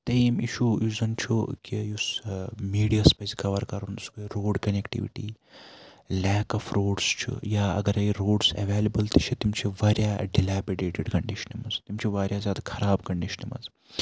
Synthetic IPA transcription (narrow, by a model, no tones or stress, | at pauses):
t̪ɐimiʃuːjuzɐnt͡ʃʰukijusmiːɖijaːspɐzkɐʋɐɾkɐɾɐnd̪uskoiɾoːɖkɐnekʈḭʋḭʈḭː | lɛːkɐfɾoːɖst͡ʃʰṵjaːɐ̰ɡɐɾɐiɾoːɖsḛʋeːlɐbɐlt̪ɐt͡ʃʰit̪imt͡ʃʰiʋaːɾjaːɖilaːpiɖeːʈɪɖkɐɳɖiʃɐ̥nimɐzt̪imt͡ʃʰiʋaːɾjazʲjaːd̪akʰɐɾaːbkɐɳɖiʃɐ̥nimɐ̰z